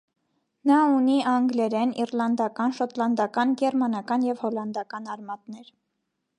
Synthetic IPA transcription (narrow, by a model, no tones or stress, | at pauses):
nɑuniɑŋɡlɛɾɛniɾlɑnd̪ɑkɑnʃɔt̪lɑnd̪ɑkɑnɡɛɾmɑnɑkɑnjɛvhɔlɑnd̪ɑkɑnɑɾmɑt̪nɛɾ